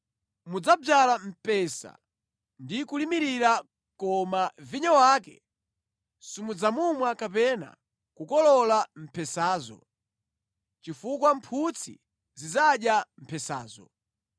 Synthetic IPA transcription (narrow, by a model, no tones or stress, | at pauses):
mud͡zab͡ʐalam̩pɛsa̰ | ndikulimiɾiɾa | kɔmaviɲawaːkɛ̰ | sumud͡zamumwakapɛna̰ | kukɔlɔlam̩pʰɛsaːzɔ̰ | t͡ʃifukwampʰut͡sʰḭ | zizaɗjam̩pʰɛsa̰ːzɔ̰